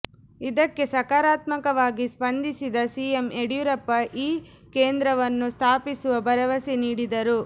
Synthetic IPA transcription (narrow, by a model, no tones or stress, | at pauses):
id̪ɐkːe̞sɐkaːɾaːt̪mɐkɐʋaːɡispɐnd̪isid̪ɐsiemeɽjuɾɐpːɐʔiː | keːnd̪ɾɐʋɐnːust̪ʰaːpisuʋɐbɐɾɐʋɐsiniːɽid̪ɐɾu